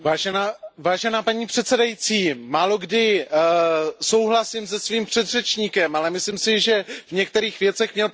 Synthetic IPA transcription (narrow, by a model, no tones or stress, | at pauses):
vaːʒɛnaːvaːʒɛnaːpaɲiːpr̝̥ɛt̪sɛdajit͡siːmaːlo̞ɡdɪ | so̞wɦlasɪms̬ɛsviːmpr̝̥ɛd̪r̝ɛt͡ʃɲiːkɛmalɛmɪslimsɪʒɛvɲɛk̚t̪ɛɾiːxvjɛtt͡sɛxmɲɛl